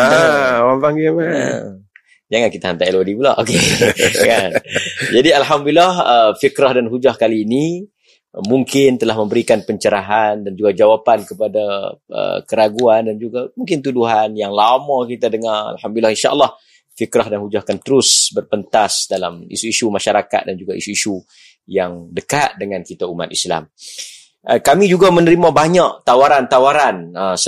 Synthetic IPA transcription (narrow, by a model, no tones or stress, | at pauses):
awanvaŋimaa | d͡ʒaŋankit̪aɦant̪ailodibulaʔo̰kekand͡ʒadialɦamduilːahəfikɾahdanɦud͡ʒahkaliːni | muŋkɪnt̪əlahmə̃mbəɾikanpəɲt͡ʃəɾaɦandand͡ʒuɡad͡ʒawapankəpadaʔə̰kəɾaɡuandand͡ʒuɡamuŋkɪnt̪uduɦanjaŋlamãkit̪adəŋara̰lhamd̪ulilːahinʃa̰ʔə̰lːɑh | fikɾahdanhud͡ʒahkant̪əɾʊsbərpənt̪asdalamḭsuisumaʃaɾaka̰t̪̚dand͡ʒuɡaisuisu | jaŋdəkat̪̚dəŋãnkit̪auma̰t̪̚isla̰m | kamid͡ʒuɡamənəɾimãbaɲaʔt̪awaɾant̪awaɾanəs